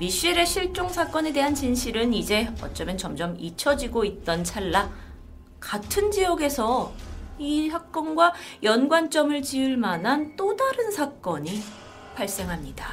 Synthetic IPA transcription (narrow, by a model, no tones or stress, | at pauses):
miɕ͈iɾe̞ɕʰiɭt͡ɕ͈oŋsʰak͈ʌne̞de̞ɦant͡ɕinɕʰiɾɯnid͡ʑe̞ʌ̰t͡ɕ͈ʌmjʌnt͡ɕʌmd͡ʑʌmit͡ɕʰʌd͡ʑiɡoit̚t͈ʌnt͡ɕʰaɭːa | katʰɯnd͡ʑijʌɡe̞sʰʌ | isʰak̚k͈ʌnɡwajʌnɡwant͡ɕ͈ʌmɯɭt͡ɕiɯɭmanɦant͈odaɾɯnsʰak͈ʌɲi | pʰaɭs͈e̞ŋɦamɲida